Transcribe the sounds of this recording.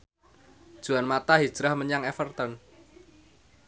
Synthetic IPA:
d̥ʒ̥ṳanmat̪aɦi̥ʒ̥ɾahməɲaŋefərt̪ɔn

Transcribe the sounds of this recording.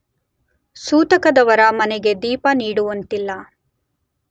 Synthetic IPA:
suːt̪ɐkɐd̪ɐʋɐɾɐmɐneɡe̞d̪iːpɐniːɽuʋɐnt̪ilːɐ

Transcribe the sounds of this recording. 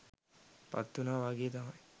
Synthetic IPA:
pa̰t̪ːunaːʋaɡeːt̪amɐj

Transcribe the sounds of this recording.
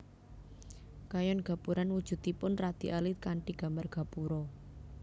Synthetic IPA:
kajɔnɡ̥a̤puɾanwud̥ʒ̥ṳt̪ipʊnrad̪̥i̤ʔalɪt̪̚kaɳʈiɡ̥a̤mbarɡ̥a̤puɾɔ

